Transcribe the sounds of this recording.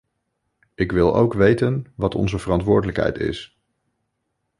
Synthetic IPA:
ɪkʋɪlˠo̰wkʋejtənʋɑtɔ̰nzəvərɑntʋʊːɹdələkɦɛ̰jtɪ̰s

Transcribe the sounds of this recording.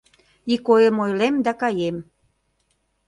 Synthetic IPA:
ikojəmojlemd̪ɑkɑjem

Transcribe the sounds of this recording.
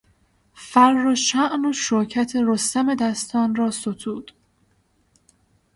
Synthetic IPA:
færːoʃæʔnoʃocʰæt̪ʰe̞ɾost̪æme̞d̪æst̪ʰɒːnrɒːsot̪ʰuːd̪̥

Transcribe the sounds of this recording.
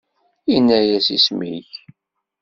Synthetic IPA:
inːæjæsismḭç

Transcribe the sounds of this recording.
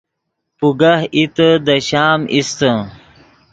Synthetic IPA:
puɡahit̪əd̪ɐɕaːmʔist̪ə̃

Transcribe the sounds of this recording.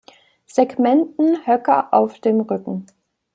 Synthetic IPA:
z̥eɡmɛntn̩hœkɐʔaʊfd̥eːmʁʏkŋ̩

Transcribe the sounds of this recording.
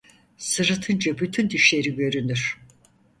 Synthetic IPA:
sɯɾɯt̪ʰɯnd͡ʒabyt̪ʰynd̪iʃlʲe̞ɾiɟø̞ɾynyɾ̥

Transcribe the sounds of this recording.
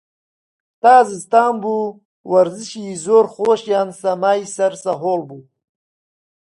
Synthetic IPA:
t̪aːzizt̪aːmbuː | wɐɾziɕizoːɾxoːɕjaːnsɐmaːjsɐɾsɐɦoːlbu

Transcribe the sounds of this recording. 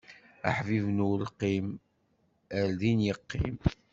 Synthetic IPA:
a̰ħvivnulqːim | əɾðinjəqːḭm

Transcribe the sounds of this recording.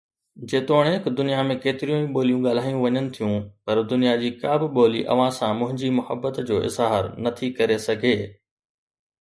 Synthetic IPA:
d͡ʑeːt̪oːɽ̃ɦɪkd̪ʊnijamẽkeːt̪ɪɾijũĩɓoːlijũɠaːl̤aːjũʋɐɲənɪ̆t̪ʰijũpɐɾd̪ʊnijad͡ʑiːkaːbɪɓoːlḭʔɐ̰ʋ̤ãsãmʊ̃ɦɪ̃ɲd͡ʑimʊhəbːət̪d͡ʑoːʔɪ̰zɦaɾnɐt̪ʰikɐɾesɐɡʱeː

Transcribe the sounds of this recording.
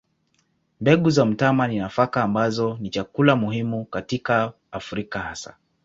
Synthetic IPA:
mbɛɠuzam̩tamaninafakaːmbazɔnit͡ʃakulamuhimukatikaː | fɾikahasa̰

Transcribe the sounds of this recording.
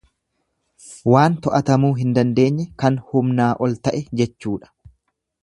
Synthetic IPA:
waːnt̪ɔʔɐt̪ɐmuːɦɪnd̪ɐnd̪e̞ːɲːɛkɐnhʊmnaːʔɔlt̪ɐʔɛd͡ʒɛt͡ʃːuːᶑɐ̥

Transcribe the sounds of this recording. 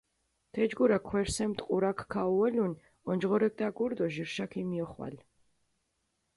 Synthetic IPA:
t̪ʰɛd͡ʒɡuɾakʰwɛɾsɛmt̪ʼqʼuɾakʰkʰːauɛlun | ɔnd͡ʒʁɔɾɛk̚d̪aɡuɾd̪ɔʒiɾʃakʰimiɔχwa̰l

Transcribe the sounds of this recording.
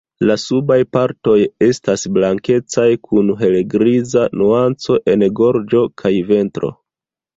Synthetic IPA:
lasubajpaɾto̞je̞stasblaŋke̞t͡sajkʰunɦe̞leɡɾizanuant͡so̞ʔe̞nɡo̞ɾd͡ʒo̞kʰajve̞ntɾo̞̰

